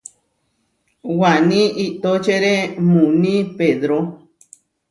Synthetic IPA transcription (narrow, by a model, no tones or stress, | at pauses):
wanĩʔit̪ot͡ʃeɾemũnĩpeðɾo